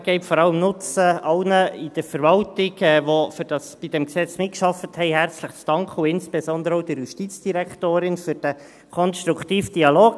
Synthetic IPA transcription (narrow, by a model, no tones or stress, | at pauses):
ɡ̥ɛɪpfɔɾɑləmnʊt͡səɑlnəid̥əɾfəɾʋɑltɪɡɛʋofʏɾd̥ɑsb̥id̥ɛmksɛt͡smɪt̚kʃɑfəthɛɪɦært͡sləχt͡sd̥ɑŋkχəʊɪnsb̥esɔnd̪əɾəɔʊd̥ɪɾjuʃtit͡sd̥iɾɛktoːɾɪnfʏɾd̥æ | kʰɔnst̪ɾuktiːfd̥iɑloːɡ